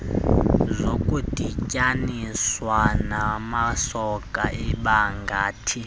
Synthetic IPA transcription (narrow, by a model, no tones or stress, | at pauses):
zʷokʼutʼicʼaniswanamasɔkʼaʔiɓaŋɡaːtʰi